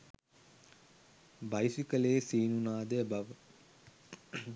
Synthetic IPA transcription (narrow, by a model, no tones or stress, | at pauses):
bajsikəleːsiːnunaːd̪əbaʋə